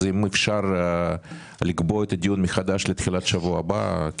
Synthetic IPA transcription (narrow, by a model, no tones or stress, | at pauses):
imefʃaɾ | liɡbo̞et̪ɐd̪ijunmexad̪aʃlet̪xilat̪ʃavuaba̰k